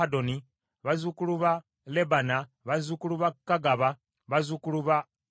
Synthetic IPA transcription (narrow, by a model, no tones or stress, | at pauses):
adoni | βazukuluβa | lebana | βazukuluβakːaɡaβa | βazukuluβa